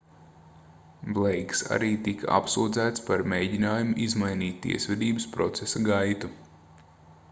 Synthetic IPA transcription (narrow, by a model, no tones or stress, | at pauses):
blˠejksa̰ɾiːt̪ikʰa̰ʔa̰psuːd̪zæːt̪spaɾmejɟinaːjumuʔizmajniːt̪ʲt̪ːḭɛsʋʲɛd̪iːbəspɾɔ̰t̪sesaɡajt̪u